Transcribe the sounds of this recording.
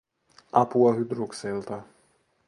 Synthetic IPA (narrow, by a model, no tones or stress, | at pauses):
ʔɑpuɑɦyd̪ɾukselt̪ɑ